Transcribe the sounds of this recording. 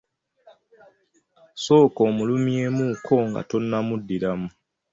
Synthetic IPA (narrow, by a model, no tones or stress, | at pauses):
so̞ːko̞ːmulumje̞ːmuːkʰo̞ŋɡa̰to̞nːamudːiɾamu